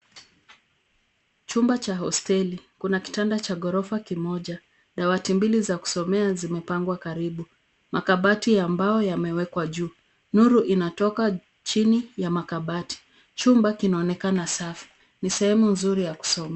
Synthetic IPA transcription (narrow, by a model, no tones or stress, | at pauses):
t͡ʃumbat͡ʃaɦɔstɛlikunaki̥tandat͡ʃaɠɔɾɔfakimɔʄa | ɗawatimbilizaku̥sɔmɛazimɛpaŋɡwakaɾiɓu | makaɓatiambajɔjamɛwɛkwaʄuː | nuɾuʔinatɔka | t͡ʃinijamakaɓati̥ | t͡ʃumbakinaɔnɛkanasafi̥ | nisɛhɛmunzuɾijaku̥sɔmɛ